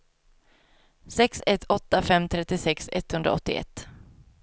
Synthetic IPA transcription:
sɛksɛt̪ʰːɔt̪ːafɛmt̪ʰɾɛt̪ːɪsɛksɛt̪hɵnd̪ɾa̰ɔ̰t̪ːɪɛ̰t̪ː

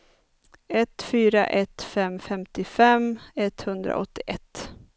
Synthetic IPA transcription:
ɛt̪fyːɾa̰ʔɛt̪fɛmfɛmt̪ɪfɛmɛt̪hɵnd̪ɾa̰ʔɔt̪ːɪʔɛt̪ː

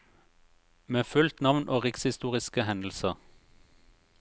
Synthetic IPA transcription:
meːfʉlt̪nɑʋnʔoːʁɪkshɪst̪uːʁɪskəhɛnl̩səʁ

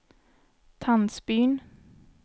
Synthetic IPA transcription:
t̪ʰansbyːn

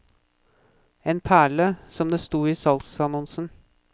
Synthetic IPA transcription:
eːnpʰæːɭəsɔmd̪eːst̪uːiːsɑlsɑnɔnsn̩

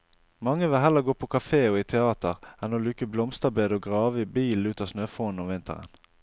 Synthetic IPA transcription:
mɑŋːəʋɪɦɛlːəʁɡoːpʰɔkʰɑfeːɔːiːt̪ʰɛɑːt̪əʁɛnoːlʉːkəblɔmst̪əʁbeːd̪əoːɡʁɑːʋəibiːlnʉːt̪ɑːsnøːfoːn̩ɔmʋɪnt̪ə̰ʁə̰n

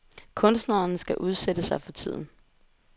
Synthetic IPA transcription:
kʰɔ̽nsd̥nɐːnsɡ̥æʔuð̞ˠsed̥əsɑ̈ɪfɒ̽t͡sʰið̞̰ˠn̩

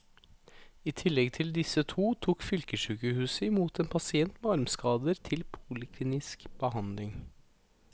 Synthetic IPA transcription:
iːt̪ʰɪlːɛɡt̪ʰɪld̪ɪsət̪ʰuːt̪ʰuːkfʏlkəʃʉːkəhʉːsəɪmuːt̪eːnpʰɑsɪɛnt̪mɛɑɾmskɑːd̪əɾt̪ʰɪlpʰuːlɪkʰliːnɪskb̥əhɑnd̪lɪŋ

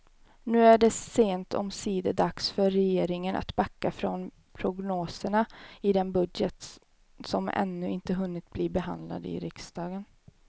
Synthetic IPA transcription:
nʉ̟ːæɖɛseːnt̪ʰɔ̰msiːd̪əd̪aksfœɾːɛjeːɾɪŋənʔa̰t̪bakːafɾɔn | pʰɾʊɡnoːsəɳaɪd̪ɛnbɵd̪jət̪ | sɔmʔɛ̰nːɵɪnt̪əɦɵnːɪt̪̚bliːbɛɦa̰nd̪la̰d̪ɪ̰ɾɪksd̪̥ɑːɡən

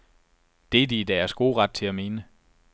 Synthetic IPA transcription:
d̥e̝ɐd̥id̥æɐsɡ̥o̝ːʁɑ̈d̥̚t͡sʰe̝læme̝ːnə

